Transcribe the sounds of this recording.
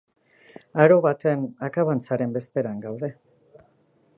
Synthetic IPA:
aɾo̞βat̪enakaβant͡saɾe̞mbe̞st̪e̞ɾaŋɡawðe̞

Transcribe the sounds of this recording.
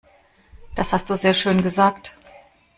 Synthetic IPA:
d̥ashast̚d̥uːzeːɐʃøːnɡəzaːkt

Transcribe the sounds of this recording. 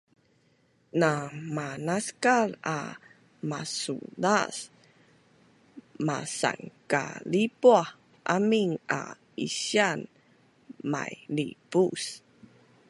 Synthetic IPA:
namanaskala | masṵdas | masa̰ŋka̰lipuah | ʔamiŋa̰ | isan | ma̰jlipus

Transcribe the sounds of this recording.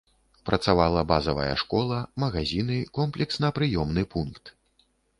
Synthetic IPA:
pɾʔɐt̪savalˠɐbazɐvɐ̰jɐ̰ʂkɔlˠɐmɐɣazʲinɨkɔmplʲɛksnɐpɾɨjɔmnɨpunkt̪

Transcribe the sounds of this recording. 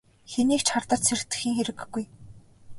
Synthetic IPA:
xeniːkt͡ɕχart̪ə̆rt̪sʰer̆t̪ɘ̆xiːŋxeɾɘ̆ɡɡːuj

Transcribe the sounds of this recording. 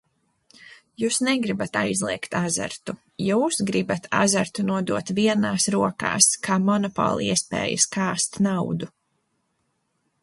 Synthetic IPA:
juːsnɛɡɾibat̪a̰jzlˠiɛkt̪azɛ̰ɾt̪u | juːsɡɾibat̪ʰa̰zɛɾt̪unuɔd̪uɔt̪viɛnaːsɾuɔka̰ːskʰaːmɔnɔpɔ̰ːlˠiɛspɛ̰ːjɐ̰skaːst̪nawd̪u

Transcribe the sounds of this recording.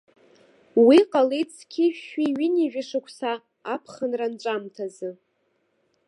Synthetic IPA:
wiqʼalejt͡sʰkʲʰɪiɥɪniʒᶣɪʂakʷʰsaː | pʰχənranʈ͡ʂʷʼamtʰazɨ

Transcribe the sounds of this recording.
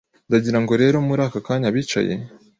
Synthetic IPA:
ndaɟiɾaŋɡo̞ɾe̞ːɾo̞muɾaːkakaːɲaβiːt͡ʃa̰je̞̰

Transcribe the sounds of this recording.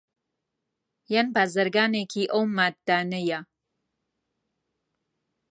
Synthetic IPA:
janbaːzəɾɡaːnekʰiʔowmat̪̚d̪aːnəja

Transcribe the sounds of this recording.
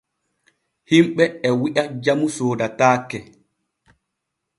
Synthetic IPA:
himɓɛɛwiʔad͡ʒamusoːdataːkːɛ

